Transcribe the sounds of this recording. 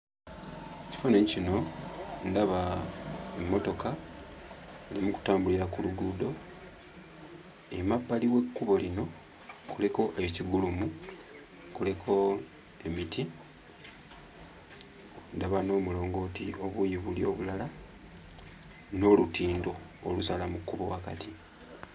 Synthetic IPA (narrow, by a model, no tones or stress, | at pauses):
eci̥fanoɲicino̞ndaβa | emːo̞to̞ka | elimuku̥taːmbuliɾakuluɡuːdo̞ | e̞mapːaliwe̞kːuβo̞lino̞ | kule̞ko̞ʔeciɡulumu | kule̞kʰo̞ | emitʰi | ndaβano̞ːmulo̞ːŋɡo̞ːtiʔo̞βujiβulio̞ːβulala | no̞lutiːndo̞ː | lusalamukːuβo̞̰waka̰tʰi